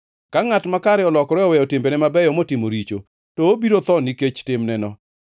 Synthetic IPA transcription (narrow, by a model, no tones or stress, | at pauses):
kaŋatmakaɾɛɔlɔkɾɛɔwɛjɔtɪmbenɛmabɛjɔmotɪmoɾit͡ʃo̰ | tɔobiɾot̪ɔniket͡ʃtɪmnɛnɔ